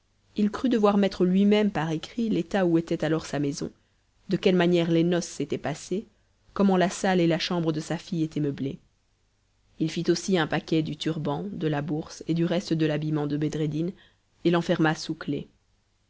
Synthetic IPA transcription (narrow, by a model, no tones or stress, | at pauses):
ilkχyd̪əvwaʁmɛt̪χəlɥimɛmpaʁekχilet̪auet̪ɛt̪alɔʁsamɛzɔ̰̃ | d̪əkʲɛlmanjɛʁlenɔsːet̪ɛpase | kɔmɑ̃lasalelaʃɑ̃bʁəd̪əsafijet̪ʰɛmœble | ilfit̪osiɛ̃pakʲɛd̪yt̪yʁbɑ̃d̪əlabuʁsed̪yʁɛst̪əd̪əlabimɑ̃d̪əbed̪ʁed̪in | elɑ̃fɛʁmasuklḛ